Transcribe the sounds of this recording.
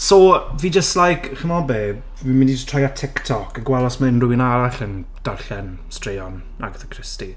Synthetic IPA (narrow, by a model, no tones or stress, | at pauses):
soviːd͡ʒəstlˠajkʰχəmɔbeː | mimɪnid͡ʒəstʰɔjatʰɪktʰɔkənɡwɛlˠɔsmaɪnrʊwɪnaɾaɬən | d̥arɬɛn | streːɔn | a̰ɡəθə̥kʰrɪsti